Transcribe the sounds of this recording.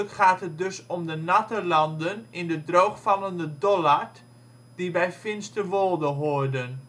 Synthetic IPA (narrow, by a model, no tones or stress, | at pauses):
kχaːtɦət̚døsɔmdənatəlɑndənɪndədrowχfɑlˠəndədɔlar | d̥ibɛjfɪnstəʋolˠdəɦoərdən